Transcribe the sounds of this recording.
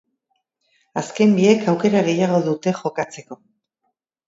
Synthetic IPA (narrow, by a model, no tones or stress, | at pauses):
aske̞mbie̞kawke̞ɾaɣe̞jaɣ̞o̞ðut̪e̞ʝo̞kat͡se̞ko̞